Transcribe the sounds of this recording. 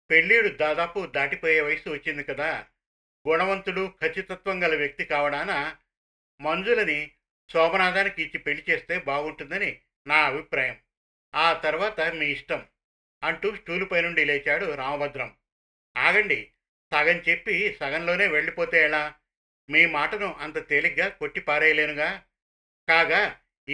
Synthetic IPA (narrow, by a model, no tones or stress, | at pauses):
pe̞ɭːiːjuɽud̪aːd̪aːpud̪aːʈipɔːjeːʋɐjɐsuʋɐt͡ʃːind̪ikɐd̪aː | ɡunɐʋɐnt̪uɽukʰɐt͡ʃːit̪ɐt̪ʋɐŋɡɐlɐʋjɐk̚t̪ikaːʋɐɽaːna | mɐnd͡ʒulɐni | sɔːbɐnaːd̪aːnikit͡ʃːipe̞ɭːit͡ʃe̞ːst̪e̞ːbaːɡuɳʈund̪ɐni | naːɐbʱipɾaːjɐm | aːt̪ɐɾuʋaːt̪ɐmiːiʂʈɐm | ɐɳʈuːsʈuːlupɐjnuɳɖileːt͡ʃaːɽuɾaːmɐbɐd̪ɾɐm | aːɡɐɳɖi | saːɡɐnt͡ʃe̞pːisɐɡɐnlo̞ːne̞ːʋe̞ɭːipoːt̪ɛːɭaː | miːmaːʈɐnuʔɐnt̪ɐt̪eːliɡaːko̞ʈːipaːɾɛːjɐleːnuɡaː | kaːɡaː